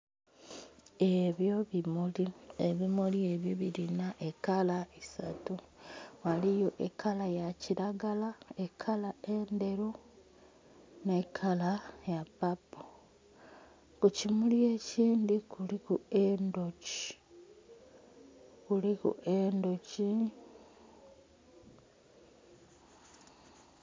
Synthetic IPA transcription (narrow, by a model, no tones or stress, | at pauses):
e̞βjo̞βimulieβimulie̞βjioβilinaʔekalaisatu | walijo̞ʔekʰalajaciɾaɡalaekʰalae̞nde̞ɾo | nekʰalajapːapːo | kucimulie̞ːciːndikulikuendo̞ci̥ | kulikṵʔendoci